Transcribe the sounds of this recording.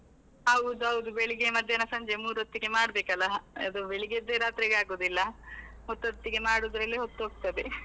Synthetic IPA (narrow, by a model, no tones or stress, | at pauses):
ɐʋud̪uɐʋud̪ubeɭiɡemɐd̪ʱjɐnɐsɐɲd͡ʒemuːɾuot̪ːiɡemaːɽbeːkɐlːɐɐd̪ubeɭiɡed̪eɾaːt̪ɾiɡaːɡoːd̪ilːɐɦot̪ːɦot̪ːiɡe̞maːɽuːd̪ɾɐlːiɦot̪ːuɦoːɡ̚t̪ɐd̪e